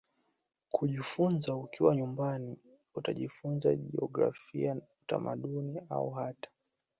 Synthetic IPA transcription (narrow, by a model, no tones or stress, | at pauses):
kʰuʄifunzaukiwaɲumbani | utaʄifunza̰ʄiɔɡɾa̰fiauta̰maɗunia̰uɦatḁ